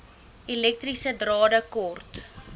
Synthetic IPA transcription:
ilɛk̚trisədrɑːdəkɔrt

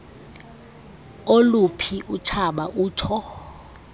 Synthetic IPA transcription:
olupʰiʔut͡ʃʰaɓaʔuːtʰɔ

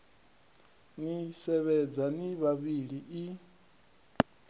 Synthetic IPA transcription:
nisɛβɛd͡zaniβaβiɺiʔi

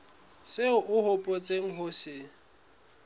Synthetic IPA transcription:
sɪʊʔʊhʊpʼot͡sʼeŋ̩ɦʊsɪ

